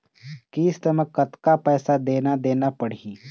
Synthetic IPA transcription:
kiːst̪əməkkɐt̪kapɛːsad̪eːnad̪eːnapəɽ̤iː

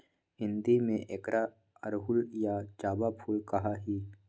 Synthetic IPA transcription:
ɦɪ̃nd̪imẽʔeːkɾʔa | əɾɦʊljat͡ʃaːbapʰuːlkɐɦaɦiː

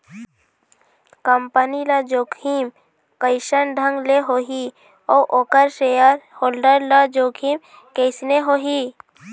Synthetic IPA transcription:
kəmpənilad͡ʒoːkʰim | kəɪʃənɖʱəŋɡleɦoɦi | ɔːʔoːkəɾʃejəɾhoːlɖəɾlad͡ʒoːkʰiːm | keɪsneɦoːɦiː

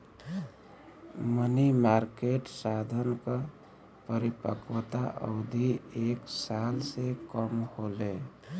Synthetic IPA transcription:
mənimaɾkeʈsad̪ʱənkə | pəɾipəkwət̪aʔə̰d̪ʱieksalsekəmhole

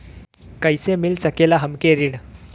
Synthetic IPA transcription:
kəjsemilsəkelaɦəmkeɾiɽ

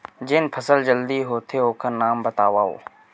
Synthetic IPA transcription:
d͡ʒɪnpʰɐsəld͡ʒəld̪iɦoːt̪ʰeoːkanaːmbɐt̪aːʋaɦo̰ː

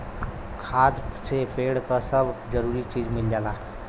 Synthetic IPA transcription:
kʰad̪sepeɽkəsəbʱd͡ʒəɾuɾit͡ʃid͡ʒmild͡ʒala

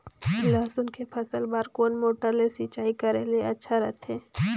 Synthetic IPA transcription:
laːsʊnkepʰɐsəlbaːɾkoːnmoːʈəɾlesiːt͡ʃaːikɐɾelieɐtːʃʰaɾɛt̪ʰeː

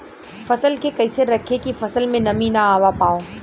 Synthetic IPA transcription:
fɐsəlkekɐɪseɾɐkʰekifɐsəlmẽnɐmĩnaaːʋapaːoː

